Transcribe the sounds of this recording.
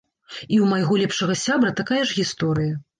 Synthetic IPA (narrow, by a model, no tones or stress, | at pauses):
iwmajɣɔlʲɛpʂɐɣɐsʲabɾɐt̪akajɐʐɣʲist̪ɔɾɨjɐ